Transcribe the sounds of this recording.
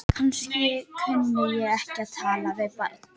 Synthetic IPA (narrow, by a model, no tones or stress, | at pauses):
kʰanscɪkʰʏnːʏjɛɣɛhcɪaðt̪ʰaːlavɪðpa̰ɾk